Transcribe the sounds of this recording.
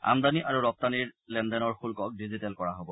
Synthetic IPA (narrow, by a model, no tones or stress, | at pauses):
a̰md̪aniʔaɹuɹɔp̚t̪aniɹlɛndɛnɔɹxulkɔk̚dizitɛlkɔɹaɦobɔ